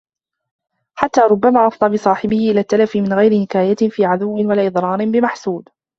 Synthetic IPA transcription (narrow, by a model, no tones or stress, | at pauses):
ħat̪ːaːɾˤʊbːamaːʔɑfd̪ˤɑbɨsˤɑːħɪbɪhɪʔɪlaːt̪ːalafɪmɪnɣajɾɪnɪkaːjafiːʕad̪ʊwːɪnwalaʔɨd̪ˤɾˤɑːɾɪnbɪmaħsuːd̪